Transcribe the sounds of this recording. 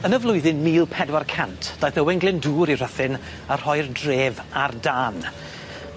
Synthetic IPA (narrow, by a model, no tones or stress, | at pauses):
ənəvlˠʊɨðɪnmiːlˠpʰɛdwarkʰantʰd̥ajθəwɪŋɡlˠɪnduːɾir̥əθɪn | ar̥hɔjrdreːvardaːn